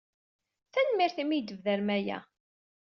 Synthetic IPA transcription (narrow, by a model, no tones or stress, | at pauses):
θænmiɾθimid̪əvðæɾmæjæ̰